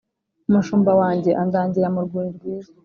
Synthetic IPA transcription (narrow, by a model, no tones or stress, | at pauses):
umuʃuːmbawaːɲɟe̞ʔandaːɲɟiɾamuɾɡiːɾiɾɡwiːza